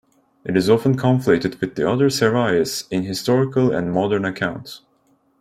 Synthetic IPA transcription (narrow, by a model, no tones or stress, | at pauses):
ʔɨɾɨzɔfə̃nkʰɑ̃ɱflɪtɨd̚wɨðiʌðə˞sɛɹaɪɨsɪ̃nɦɨstɔɹɪkəlˠə̰̃nmɑdə˞nɨkʰãʊ̃nts